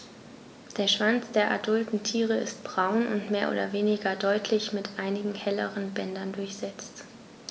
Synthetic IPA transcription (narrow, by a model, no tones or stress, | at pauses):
d̥eːɐʃv̥ant͡sd̥eːɐʔadʊltn̩tʰiːʁəɪ̰st̚b̥ʁaʊnʔʊ̰ntmeːɐʔo̰ːdɐveːnɪɡɐdɔʏtʰlɪçmɪtʔaɪnɪɡŋ̩hɛlə̰ʁənbɛndɐndʊɐçz̥ɛt͡st